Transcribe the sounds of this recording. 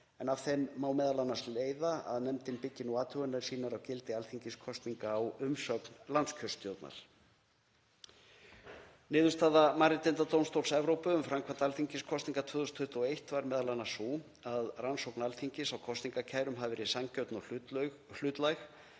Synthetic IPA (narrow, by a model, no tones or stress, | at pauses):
ɛnav̥θejmːaːwmɛːðalanːasleːjðaa̰ðnɛmt̪ɪnpɪcːɪnuaːt̪ʰʏɣʏnaɾ̥siːnaɾawcɪlt̪ɪalθiɲcɪskʰɔst̪niŋkaːwʏmsœknlant̪scʰœst̪jowt̪na̰l̥ | nɪːðʏst̪aːðamaɾɪt̪ɪnt̪at̪ownst̪owlsɛvɾowpʏʏmfɾamkʰvant̪alθiɲcɪskʰɔst̪niŋkat̪ʰvʏːðʏst̪ʰʏht̪uɔejht̪vaɾmɛːðalanːasu | aðransowknalθiɲcɪsawkʰɔst̪niŋkacʰaːjɾʏmɦavɪɾisaŋcœwt̪nɔ | l̥ʏt̪lajx